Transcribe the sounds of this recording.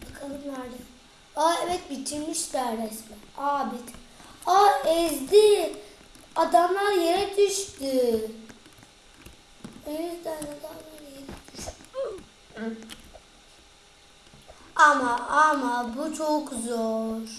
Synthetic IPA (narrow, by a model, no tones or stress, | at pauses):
bakʰalˠɯmlˠaɾd̪ɯ | aɛvɛt̪̚bit͡ʃ̪ʰiɾmiʃd̪æɾɛsmɛaːbit̪ | aɛzd̪i | ad̪amlˠaɾjeɾɛd̪yʃt̪y | øjyzd̪ænad̪amˠaɾjeɾɛ | amaamabut͡ʃʰokzoɾ̥